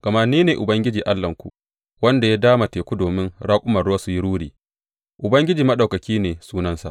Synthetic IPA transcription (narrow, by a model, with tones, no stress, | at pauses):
ɡ̥ɐ˨ma˦niː˦neː˨ʔʊ˨bɐ˦ŋɡʲɪ˦d͡ʒiː˨ʔa˦lːɐ˨ŋkʷṵ˨ | wɐ˦nda˨jaː˦daː˦ma˨teː˨kʷu˦doː˨mɪ˦nɽaː˦kʷʼʊ˦mɐ˨rʊ˦wa˦su˨ji˦ɽuː˦ɽiː˨ | ʔʊ˨bɐ˦ŋɡʲɪ˦d͡ʒiː˨mɐ˦ɗa˨wkɐ˨kʲiː˦neː˨suː˦nɐ˦nsa̰˨ʔ